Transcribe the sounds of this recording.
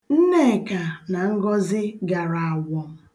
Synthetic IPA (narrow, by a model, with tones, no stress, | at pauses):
n̩˦ne˦˨ka˨na˨ŋ̩˦ɡɔ˦zɪ˦ɡa˨ɾa˨a˨wɔ˨ŋ̩˨